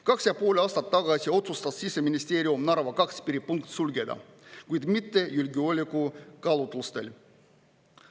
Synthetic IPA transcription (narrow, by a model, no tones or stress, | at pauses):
kɑksjɑpuolʲɑst̪ɑt̪ːɑɡɑsʲio̞t̪sust̪ɑt̪siseminʲist̪eːɾʲiumnɑɾɑʋɑkɑkspiɾipuŋkt̪sulʲɡed̪ɑ̰ | kujd̪mit̪ːejylʲɡiolʲikukɑlut̪lust̪ḛlʲ